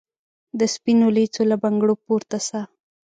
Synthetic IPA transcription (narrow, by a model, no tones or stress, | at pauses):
d̪əspinolit͡solabaŋɡɽopoɾt̪asa